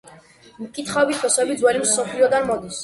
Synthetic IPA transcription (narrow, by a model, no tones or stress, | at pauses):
mkʼit̪χaɔbit̪̚ʰpʰɔsɛbid̪zwɛlimsɔpʰliɔd̪anmɔd̪is